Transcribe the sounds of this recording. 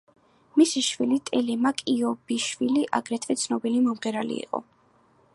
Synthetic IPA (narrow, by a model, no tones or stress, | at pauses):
misiʃwilit̪ʼɛlimakʼiɔb̥iʃwiliʔaɡɾɛt̪ʰvɛt̪sʰnɔbilimɔmʁɛɾalḭḭqʼɔ̰